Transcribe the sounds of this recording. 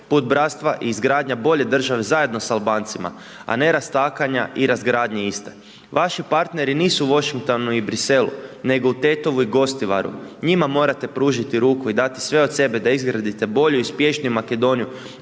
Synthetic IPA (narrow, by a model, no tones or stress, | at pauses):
puːd̪̚bɾat̪st̪ʋaʔiːzɡɾaːd̪ɲabo̞ʎe̞d̪r̩ʒaʋezaje̞d̪no̞salˠbaːnt̪sima̰ | a̰ne̞ɾast̪aːkaɲa̰ʔiɾazɡɾaːd̪ɲeist̪e̥ | ʋʔaʃipaɾt̪ne̞ɾiniːsuuʋo̞ʃiŋk̚t̪o̞nuibɾise̞lṵne̞ɡo̞ut̪e̞ːt̪o̞ʋuiɡo̞st̪iʋa̰ɾṵɲimamo̞ːɾat̪e̞pɾuːʒit̪iɾuːkuid̪at̪i̥sʋe̞ot̪se̞bed̪aizɡɾad̪it̪e̞bo̞ʎuispje̞ʃnijumake̞d̪o̞niju